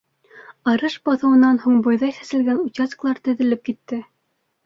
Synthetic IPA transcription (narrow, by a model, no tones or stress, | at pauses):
ɑɾɤʃbɑθɤ̆wɤ̆nɑnhuɴbŏjðɑjθæ̥sɘ̆lɡænut͡ɕɑs̆klˠɑɾt̪ɘ̆ðɘ̆lɘp̚kit̪ːɘ